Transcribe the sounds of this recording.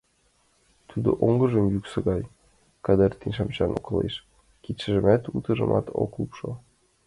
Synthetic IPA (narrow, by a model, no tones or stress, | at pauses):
t̪ud̪oʔoŋɡɤ̆ʒɤ̆mjyksɤ̆ɣɑj | kɑd̪ɤrt̪inʲʃɑmt͡ɕɑnʔokɤ̆lḛʃ | kit̪ʃɘ̆ʒɘ̆mæt̪ut̪ɤ̆ʒɤ̰̆mʔɑ̰t̪o̰klˠupʃɤ